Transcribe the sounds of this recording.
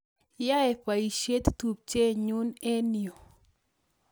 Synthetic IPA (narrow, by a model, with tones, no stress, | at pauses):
ja˦ɛ˨pa˨i˨ʃe˦t̪tu˨p̚t͡ʃe˦ɲu˦ne˦ni˨o˨